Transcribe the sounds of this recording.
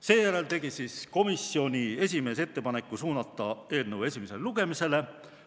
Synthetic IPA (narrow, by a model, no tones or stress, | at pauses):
se̞ːjæɾe̞lt̪e̞ɡ̥isiːsko̞misːio̞nʲie̞sʲime̞ːse̞t̪ːe̞pɑne̞kˑːusuːnɑt̪ːˑɑe̞ːlnewe̞sʲimese̞lluɡ̥e̞mise̞le̞